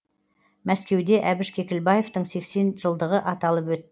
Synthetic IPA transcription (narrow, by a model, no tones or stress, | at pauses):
mæskʲe̞wd̪e̞ʔæbɪʃkʲʰe̞kʲɪlbɑje̞ft̪əɴse̞kse̞nʒ̥əlˠd̪əʁəʔɑt̪ɑlˠəpwɵt̪ː